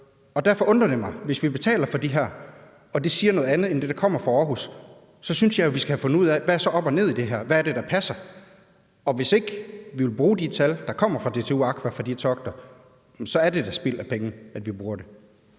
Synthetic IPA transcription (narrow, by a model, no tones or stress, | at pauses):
ɒ̽d̥æɐfɒ̽ʔɔ̽nd̥ʁɐd̥emɑ̈ɪʋe̝sʋib̥e̝t͡sʰɛ̰ːlɐfɒ̽d̥iɦæɐ̰ | ɒ̽d̥e̝siːɐnɔ̽ːð̩ˠænð̞̩ˠend̥e̝d̥ɑ̈kʰɒ̽m̰ɐfʁɑ̈ɒːɦusː | ɒ̽synsjɑ̈jo̝ʋisɡ̥æhfon̩uð̞̰ˠæʋæsɒ̽ʔɒ̽b̥ɒne̝ð̰ˠid̥e̝ɦæɐʋææɐd̥e̝ɾ̥ɑ̈pʰæsɐ | ɒ̽ʋe̝se̝ɡ̥ʋiʋe̝lb̥ʁuːd̥it͡sʰæld̥ɑ̈kʰɒ̽m̰ɐfʁɑ̈d̥e̝t͡sʰe̝uɑ̈ɡ̥ʰʋæfɑd̥it͡sʰɒ̽ɡ̥d̥ɐ | sɒ̽æɐde̝d̥æsb̥il̰æpʰeŋn̩æd̥ʋib̥ʁuːɐd̥e̝